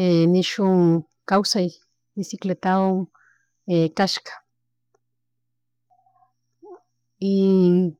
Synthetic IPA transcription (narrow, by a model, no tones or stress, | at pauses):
eniʃʊŋ | kawsaj | d̪isiklet̪aoŋ | ekaʃkḁ | i